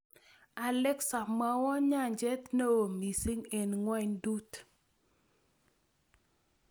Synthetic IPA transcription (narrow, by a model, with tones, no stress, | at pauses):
a˨lɛ˦ksa˨ma˦wɔ˦ɲa˦˨ɲd͡ʒɛ˦t̪ne˦o˨mi˨si˦ŋe˨nŋwɛ˦ɲdu˦t